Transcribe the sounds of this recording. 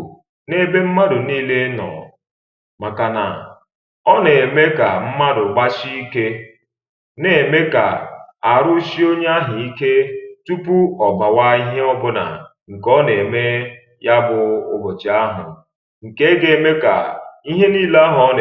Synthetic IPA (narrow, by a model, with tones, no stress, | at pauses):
ne˦˨be˦m̩˦ma˦dʊ˨niː˦le˦nɔ̰˨ | ma˨ka˨na̰˨ | ɔ˦ne˨e˨me˦ka˨m̩˦ma˦dʊ˨ɡ͡ba˦t͡ʃi˦i˦ke˦ | ne˨me˦ka̰˨a˨ɾʊ˦ʃi˦o˦ɲ˦a˦ɦɪ˨i˦ke˦tu˦pu˦ɔ˨ɡ͡ba˨wa˦i˦ɦe˦ɔ˦bʊ˦na̰˨ | ŋ̩˨kɔ˦ne˨me˦ | ja˦bʊ˨ʊ̰˦bʊ˨t͡ʃa˦ɦʊ̰˨ | ŋ̩˨ke˦ɡe˨˦˨me˦ka̰˨i˦ɦe˦niː˦le˦a˦ɦɔ˦n˨